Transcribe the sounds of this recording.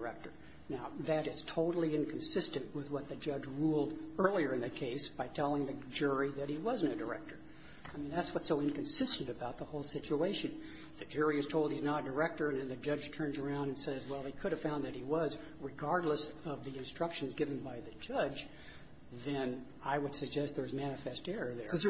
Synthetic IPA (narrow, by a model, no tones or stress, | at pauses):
ə˞ɛk̚tə˞ | naʊðɨɾɨz̥tʰoʊɾl̩ˠiɪ̃nkʰn̩sɪstɨ̃nʔwɪðwʌt̪̚ðɨd͡ʒʌd͡ʒɹulˠdɜ˞lˠiə˞ɨ̃nðɨkʰeɪsb̥aɪtʰɛlˠɪ̃ŋðɨd͡ʒʊɹiðɨt̚hiwʌzɨ̃n̩tɨdə˞ɛ̰k̚tə˞ | aɪmĩnðætswʌtsoʊɨ̃nkɨ̃n̩sɪstɨ̃n̩tɨbaʊt̪̚ðəhoʊlˠsɪt͡ʃueɪʃɨ̃n | ðɨd͡ʒʊɹiɨz̥tʰoʊlˠd̚hiznəɾɨdə˞ɛk̚tə˞ɨ̃nðɨ̃nðɨd͡ʒʌd͡ʒ̥tʰɜ̃˞nzə˞ãʊ̃ndɨ̃nsɛzwɛlˠikʰʊɾɨv̥fãʊ̃nðɨt̚hiwʌz | ɹɨɡɑɹdˡləsʌvðiɨ̃nstɹ̥ʌkʃɨ̃n̩zɡɪṽn̩baɪðɨd͡ʒʌd͡ʒ | ðɨ̃n | aɪwɨd̥sɨɡ̚d͡ʒɛst̪̚ðə˞zmænɨfɛstɛɹə˞ðə̰˞